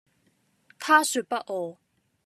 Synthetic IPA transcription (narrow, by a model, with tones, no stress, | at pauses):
kʰa˥ɕø˩˨ʔpa˨ʔɔ˩˨